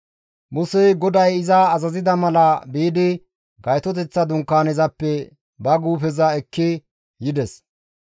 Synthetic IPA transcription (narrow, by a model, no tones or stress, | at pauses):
mʊsɛɡɔd̪ɐjɪzɐːzɐzɪd̪ɐmɐlɐbiːd̪ɪ | ɡɐjt̪ɔt̪̬ɛt͡sːɐd̪ʊŋkːaːnɛzɐpːɛ | bɐɡuːfɛzɐɛkːɪ | jɪd̪ɛs